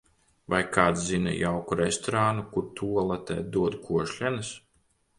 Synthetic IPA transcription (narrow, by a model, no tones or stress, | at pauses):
vajkaːt̪szinɛ̰jawkuɾest̪ɔɾaːnukuɾt̪ʰuɔlˠat̪ɛ̰ːd̪uɔd̪kʰuɔʃlʲɛnɨs